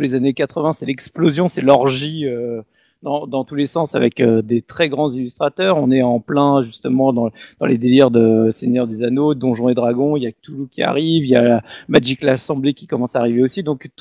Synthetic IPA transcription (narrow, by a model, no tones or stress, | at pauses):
lezanekat̪χəvɛ̃sɛlɛksplozjɔ̃sɛlɔʁʒiø | d̪ɑ̃d̪ɑ̃t̪ulesɑ̃sa̰vɛ̰kød̪et̪χɛɡʁɑ̃zilyst̪χat̪œʁɔ̃nɛɑ̃plɛ̃ʒyst̪əmɑ̃d̪ɑ̃d̪ɑ̃led̪eliʁd̪əseɲjœʁd̪ezanod̪ɔ̃ʒɔ̃ed̪ʁaɡɔ̃iljat̪ulukʲia̰ʁivijalamaʒiklasɑ̃blekʲi̥kɔmɑ̃saːʁiveosid̪ɔ̃kt̪